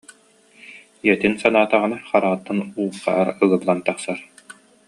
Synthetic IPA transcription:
jɛt̪insanaːt̪aʁɯnaχaɾaʁt̪ːanuːqa̰ɦaɾɯɣɯblˠant̪aχsaɾ

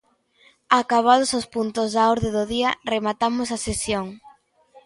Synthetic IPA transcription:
akaβ̞aðʊsospunt̪ʊzðaoɾðeðʊðiɐremat̪amʊsɐsesjoŋ

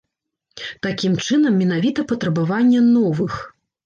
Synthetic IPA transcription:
t̪akʲimt͡ʂɨnɐmːʲɛnavʲit̪ɐpɐt̪ɾɐbavanʲːɛnɔvɨx

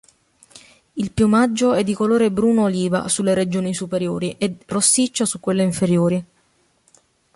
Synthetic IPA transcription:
ilpjumad͡ʒːoɛd̪ːikoloːɾebɾuːnoːliːva̰sulːeɾed͡ʒoːnisupeɾjoːɾiʔerosːit͡ʃːasukwelːeiɱfeɾjoːɾi

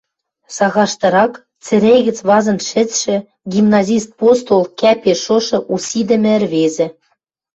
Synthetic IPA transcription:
sɑɣɑʃt̪ɤ̆ɾɑk | t͡sɘ̆ɾʲejɣɘ̆t͡sβɑzɤ̆nt̪ʃɘ̆t͡sʃɘ̆ | ɡʲimnɑzʲist̪̚post̪olkæpeʃoʃɤ̆ʔusʲid̪ɘ̆mɘ̆ɘ̆rβezɘ̆

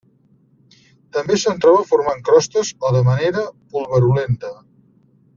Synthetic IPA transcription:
t̪əmbesənt̪ɾɔβəfuɾmaŋkɾɔst̪əzoðəməneɾəpulˠβəɾulent̪ə

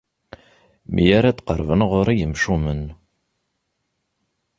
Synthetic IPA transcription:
mʔḭjæɾæt͡s̪ːqə̰ɾvənʁoɾˤijəmʃumən

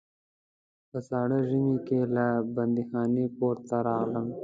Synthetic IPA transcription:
pəsɑɽəʒimikelabɐnd̪ixɑːnipoːɾt̪aɾɑːɣləm

